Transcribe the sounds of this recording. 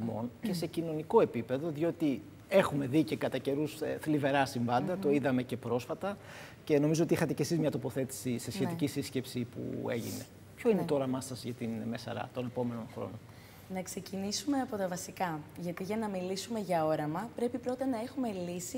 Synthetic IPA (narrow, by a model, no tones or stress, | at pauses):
mo̞̰nce̞se̞cino̞niko̞e̞pipe̞ðo̞ðio̞t̪i | e̞xume̞ðice̞kɐt̪ɐce̞ɾusθlive̞ɾɐsiɱvɐnd̪ɐt̪o̞iðɐme̞ce̞pɾo̞sfɐt̪ɐ | ce̞no̞mizoot̪iixɐt̪e̞cesizmɲɐt̪opo̞θe̞t̪i̥sise̞sçeicisisce̞psipṵe̞̰ʝḭne̞̰ | pço̞ine̞t̪o̞ɾɐmɐsɐzʝɐt̪inme̞sɐ̰ɾɐ̰t̪o̞ne̞po̞me̞no̞nxɾo̰non | nɐkse̞cinisume̞ɐpo̞t̪ɐvɐsikɐʝɐt̪iʝɐnɐmilisume̞ʝɐo̞ɾɐmɐpɾe̞pipɾo̞t̪ɐnɐexume̞lisi